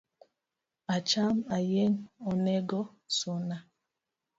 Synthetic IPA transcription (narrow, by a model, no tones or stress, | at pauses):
at͡ʃamajeŋɔneɡɔ | sona